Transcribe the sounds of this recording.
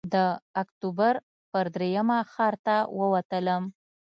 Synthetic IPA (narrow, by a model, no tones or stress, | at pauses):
d̪əakt̪ubaɾ | pəɾd̪ɾejamaxɑɾt̪awəwat̪ələm